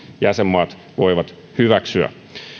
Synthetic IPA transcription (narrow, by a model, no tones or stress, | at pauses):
jæsemːɑːt̪ | ʋoiʋɑt̪ | hyʋæksyæ̰